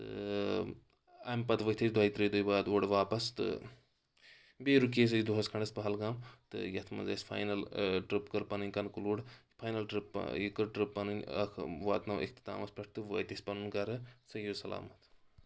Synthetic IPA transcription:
t̪ɨ̰ | ɐmpɐt̪ʋɐt̪ʰɐsd̪uaːit̪ɾijd̪ujbaːd̪oːɽʋaːpɐst̪ɨ̰ | beːɾukeːs̬ɐjid̪uɦɐskʰɐɳɖɐsbɐɦɐlɡaːmt̪ɨ̰jɐt̪ʰmɐ̰nzɐsʲpʰa̰ːjnɐlʈɾipkɐɾpɐnɨnʲkɐnkuluːɽ | pʰaːjnɐlʈɾɨpːikɐʈɾɨpːɐnɨnʲɐ̰kʰʋa̰ːt̪nɐwʔḛkʰt̪i̥t̪a̰ːmɐspʲɐʈ̚ʰt̪ɨʋɐ̰t̪ʲɐsʲpɐnunɡɐɾɨsɐjoːsɐla̰ːmɐt̪

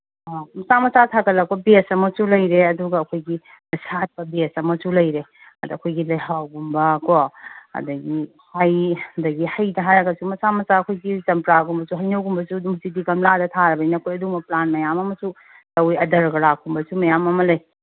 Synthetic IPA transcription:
amɐsamɐsatʰakɐlɐk̚pɔbesɐmɐsulɐjɾeɐduɡɐːkʰojɡi | nɐsat̚pɐbesɐmɐsulɐjɾe | ɐdɐkʰojɡilɐjɦawɡumbɐkɔɐ̰dɐɡi | hajɐdɐɡihɐjdɐɦajɾɐɡɐsumɐsamɐsaɐkʰojɡizɐmpɾaɡumbɐsuɦɐjnɐwɡumbɐsudumzidikɐmladɐtʰaɾɐbɐinɐkʰojɐdumɐplanmɐjamɐmɐsu | tɐwiɐdɐɾɡɐɾakʰumbɐsumɐjamɐmɐlɐj

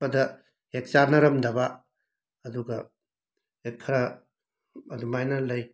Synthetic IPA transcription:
ɐdɐ | hek̚t͡ʃaɾnɐɾɐmdɐbɐː | duɡɐ | epʰɐɾɐ | ɐdumajnɐlɐj

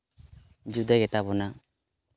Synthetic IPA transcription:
d͡ʒud̪aɡɛt̪abɔna

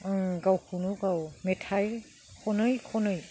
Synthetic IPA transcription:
ɯŋɡawkʰunuɡawmetʰajl | kʰɔnɯjkʰɔnɯj

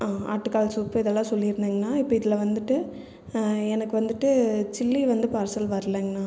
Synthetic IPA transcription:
aːa̰ːʈːɯkːaːlsuːpːɯɪðɛlːãːsɔlːɪɾɯnd̪eːŋɡɐnːaːɪpːɐɪðɪlɐʋɐnd̪ɯʈːɯ | ɛnɐkːɯʋɐnd̪ɯʈːɯt͡ʃɪlːiʋɐnd̪ɯpaːɾsɐlʋɐɾɐlẽːŋɡɐnːaː

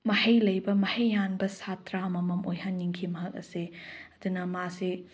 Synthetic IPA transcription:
mɐhɐjlɐjbɐmɐhɐjːanbɐsatɾaɐmɐmɐmojɦɐnːiŋkʰimɐɦɐk̚ɐ̰seɐd̪unɐmasi

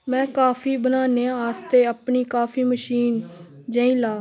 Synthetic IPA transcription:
mɛ̃ːkaːfʰiːbənaːneːaːst̪eːəpɳiːkaːfʰiːməʃiːn | d͡ʒãːĩːlaː

